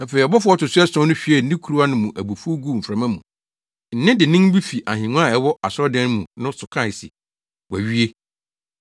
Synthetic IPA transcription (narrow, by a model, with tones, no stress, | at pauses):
nã˨fe˨ɾi˨ɔ˨bɔ˦fʊ˦ɔ˦tʊ˨sʊ˦ɛ˦sɔ̃˦nʊ̃˦ɕᶣi˦ɛ˨n̩˨˦nĩ˦kʰu˨ɾu˦a˦nʊ̃˦mũ˨ʔæ˨bu˨fu˦ɡu˦˨m̩˨fɾã˨mã˦mũ˨ | n̩˨nɪ̃˦dɪ˨nɪ̃˦n˦bi˦fi˨ʔa˨ɦɪ̃˨ŋũ˦a˦˨ɛ˨˦wɔ˦ʔa˨sɔ˦dɛ̃˦n˦mũ˨nʊ̃˦sʊ˨kʰã˦˨sḭ˨ | wæ˨ɥi˦e˦